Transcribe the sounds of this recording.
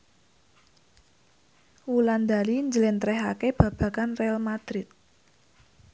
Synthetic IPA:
wuland̪a̤liɲd͡ʒəlɛnt̪ɾɛɦakeb̥ä̤b̥ä̤kanrealmad̪̥ɾɪt̪̚

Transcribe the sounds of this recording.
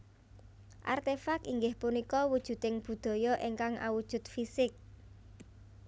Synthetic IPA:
ʔa̰rt̪efakiŋɡɪhpunikɔwud̥ʒ̥ṳt̪ɪŋb̥ṳd̪̥ɔ̤jɔʔeŋkaŋa̰wud̥ʒ̥ʊ̤t̪̚fisɪk̚

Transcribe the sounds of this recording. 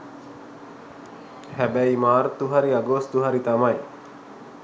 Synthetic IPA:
hɛbɛimaːɾt̪uɦaɾiaɡoːst̪uɦaɾit̪amaj

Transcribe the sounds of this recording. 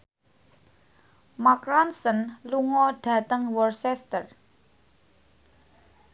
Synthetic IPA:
makɾansənluŋɔɖ̥ä̤t̪əŋwɔrsɛst̪ər

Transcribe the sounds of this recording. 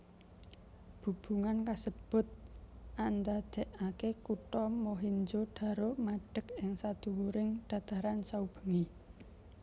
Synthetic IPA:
b̥ṳb̥ṳŋankasəb̥ʊ̤t̪̚ʔand̪ad̪̥ɛ̤ʔakekuʈɔmoɦiɲd͡ʒoɖ̥a̤ɾomaɖ̥ə̤kɪŋsad̪̥uwuɾɪŋɖ̥a̤t̪aɾansaub̥ə̤ŋi

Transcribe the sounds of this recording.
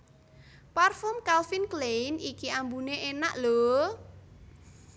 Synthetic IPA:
parfɔmkalfinklenikiambuneʔena̰ʔlo

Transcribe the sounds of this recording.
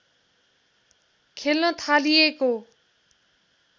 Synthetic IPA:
kʰelnʌt̪ʰalijeko

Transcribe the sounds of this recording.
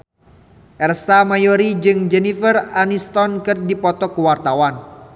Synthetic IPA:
ʔɛrsamajɔɾid͡ʒɨŋd͡ʒɛnifəranist̪ɔnkɨrdipɔt̪ɔkuwart̪awan

